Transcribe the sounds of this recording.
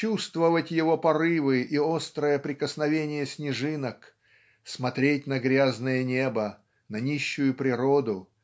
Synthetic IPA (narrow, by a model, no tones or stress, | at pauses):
t͡ɕust̪vəvətʲjɪvo̞pɐɾɨvɨʔiost̪ɾəjəpɾʲɪkəsnɐvʲenʲɪjəsʲnʲɪʐɨnək | smɐt̪ɾʲetʲnəɡɾʲaznəjənʲebə | nɐnʲiɕːʊjʊpɾʲɪɾod̪ʊ